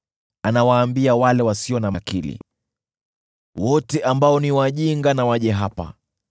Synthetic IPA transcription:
anawaːmbiawalɛwasiɔnamakḭlḭ | wɔtɛʔambaɔniwaʄiŋɡanawaʄɛɦapa̰

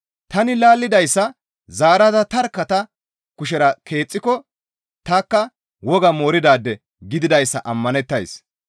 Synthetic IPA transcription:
t̪ɐnɪlaːlːɪd̪ɐjsːɐ | zaːɾɐd̪ɐt̪ɐɾkːɐt̪ɐ | kʊʃɛɾɐkʰe̞ːt͡sʼːɪkɔ | t̪aːkːɐ | wɔɡɐmoːɾɪd̪aːd̪ːɛ | ɡɪd̪ɪd̪ɐjsːɐʔɐmːɐnɛt̪ːɐjs

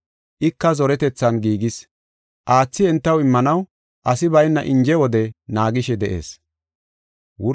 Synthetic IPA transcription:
ʔɪkːɐzɔɾɛt̪ɛt͡sːɐnɡiːɡɪs | ʔaːt͡sːɪɛnt̪ːɐwɪmːɐnɐw | ʔɐsɪbɐjnːɐʔɪnd͡ʒɛwɔd̪ɛnaːɡɪʃɛd̪ɛʔḛːs | wʊ

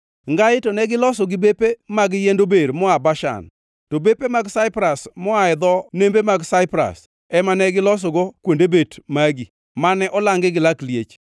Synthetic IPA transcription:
ŋɡaɪtɔnɛɡɪlɔs̬ɔɡɪbepemaɡjendobeɾmɔabaʃa̰n | tobepemaɡsaɪpɾasmɔaɛd̪ɔnembemaɡsaɪpɾa̰s | ɛmanɛɡɪlɔs̬ɔɡokwondebetmaɡi | manɛʔɔlaŋɡɪɡɪlakljet͡ʃ

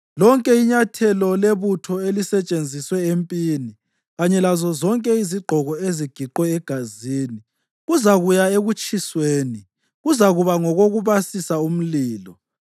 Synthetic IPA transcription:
lɔŋkʼɛiɲatʰɛlɔleβutʰɔelisɛt͡ʃʼend͡zʱiswɛempʼiːni | ɣaɲɛlazɔzɔŋkʼɛiziɡ͡ǃʱɔɣɔeziɡ̥ʱiǃwɛːɡ̥ʱaziːni | ɣuzaɣujaeɣut͡ʃʼisweːni | ɣuzaɣuβaŋɔɣoɣuβasisaum̩liːlɔ

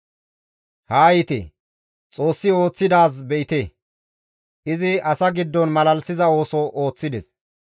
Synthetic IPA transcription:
haːjɪt̪ḛ | t͡sʼo̞ːsːɪo̞ːt͡sːɪd̪aːs̬bɛɪt̪e | ʔɪzɪɐsɐɡɪd̪ːɔnmɐlɐlsɪzɐo̞ːsɔʔo̞ːt͡sːɪd̪ɛs

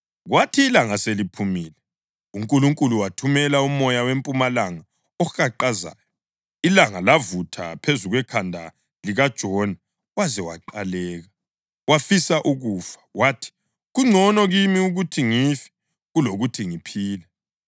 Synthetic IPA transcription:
ɣwatʰiːlaŋaselipʰumiːlɛ | uŋkʼuluŋkʼuluwatʰumɛlaumɔjawempʼumalaŋa | ɔxaǃaza̰ːjɔ | ilaŋalavutʰa̰pʰezuɣwɛkʰandʱa̰ | liɣad̥ʒ̥ʱɔna | wazɛwa̰ǃalɛːɣa | wafisaʔuɣuːfḁwaːtʰi̥ | ɣuŋ͡ǀʱɔnɔɣimiuɣutʰiŋifɛ̥ | ɣuloɣutʰiŋipʰiːlɛ

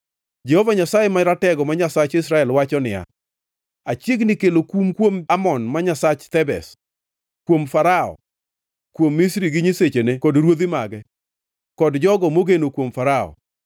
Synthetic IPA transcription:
d͡ʒɛhovaɲasajemaɾatɛɡɔmaɲasat͡ʃɪsɾaɛlwat͡ʃɔnɪa̰ | at͡ʃjeɡnɪkelokumkwomamɔnmaɲasat͡ʃt̪ɛbɛ̰s | kwomfaɾaɔ̰ | kwomːisɾiɡɪɲiset͡ʃenekɔdɾwod̪ɪmaɡɛ | kɔdd͡ʒɔɡɔmoɡenokwomfaɾaɔ̰

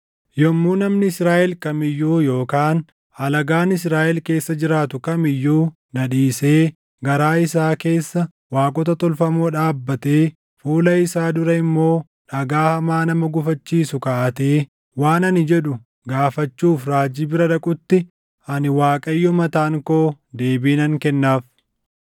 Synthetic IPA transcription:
jɔmːuːnɐmnɪːsɾaːʔɛlkɐmɪjːuːjo̞ːkaːn | ɐlɐɡaːnɪs̬ɾaːʔɛlke̞ːsːɐd͡ʒɪɾaːt̪ʊkɐmɪjːuː | nɐᶑiːse̞ː | ɡɐɾaːɪsaːke̞ːsːɐ | waːkʼɔt̪ɐt̪ɔlfɐmoːᶑaːbːɐt̪eː | fuːlɐɪsaːd̪ʊɾɐɪmːo̞ː | ᶑɐɡaːhɐmaːnɐmɐɡʊfɐt͡ʃːiːsʊkɐʔɐt̪eː | waːnɐnɪd͡ʒɛᶑʊ | ɡaːfɐt͡ʃːuːfɾaːd͡ʒiːbɪɾɐᶑɐkʼʊt̪ːɪ | ɐnɪwaːkʼɐjːɔmɐt̪aːŋkoː | d̪e̞ːbiːnɐŋkɛnːaːf

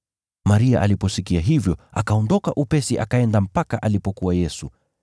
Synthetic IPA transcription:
maɾia̰ʔa̰lipɔsikiaɦivjɔakaɔndɔkaʔupɛsiʔakaɛndam̩pakaʔalipɔkuwajɛsu

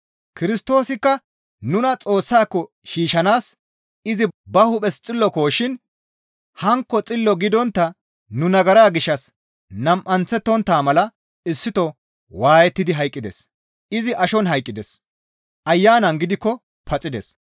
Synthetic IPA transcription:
kɪɾɪst̪o̞ːsɪkːɐ | nʊnɐt͡sʼo̞ːsːaːkːɔ | ʃiːʃɐnaːs | ɪzɪbɐhʊpʼɛst͡sʼɪlːɔko̞ːʃɪn | hɐŋkːɔt͡sʼɪlːɔɡɪd̪ɔnt̪ːɐ | nʊnɐɡɐɾaːɡɪʃːɐs | nɐmʔɐnt͡sːɛt̪ːɔnt̪ːaːmɐlɐ | ɪsːɪt̪ɔ | waːjɛt̪ːɪd̪ɪɦɐjkʼːɪd̪ɛ̰s | ɪzɪʔɐʃɔnɦɐjkʼːɪd̪ɛs | ʔɐjːaːnɐŋɡɪd̪ɪkːɔ | pʰɐt͡sʼɪd̪ɛ̰s

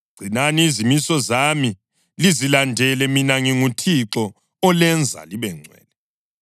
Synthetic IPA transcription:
ɡ͡ǀ̥ʱinaniːzimisɔzami | lizilandʱɛlɛminaŋiŋutʰiǁɔ | ɔlɛnd͡zʱa̰liβɛŋ͡ǀʱwɛ̰ːnɛ

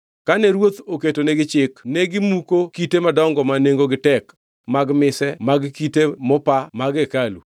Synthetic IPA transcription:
kanɛɾwot̪oketoneɡɪt͡ʃɪkneɡɪmukokitemadɔŋɡɔmaneŋɡoɡɪtɛk | maɡmɪsɛmaɡkitemɔpamaɡekalṵ

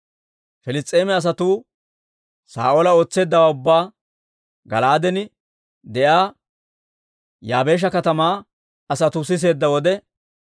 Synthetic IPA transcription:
fɛlɪt͡sʼːe̞ːmɛɐs̬ɐt̪uː | sa̰ːʔoːlɐo̞ːt͡sːe̞ːd̪ːɐwaːʊbːaː | ɡɐ̰laːd̪ɛnɪ | d̪ɛʔaː | jaːbe̞ːʃ̬ɐkɐt̪ɐmaː | ɐsɐt̪ʊs̬ɪs̬e̞ːd̪ːɐwɔd̪ɛ

